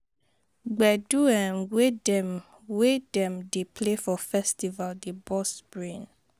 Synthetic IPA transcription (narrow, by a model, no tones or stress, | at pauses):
ɡ͡bɛduɛ̃nwedɛm | wedɛ̃mdepʰlefɔfɛstivaldebɔspɹĩn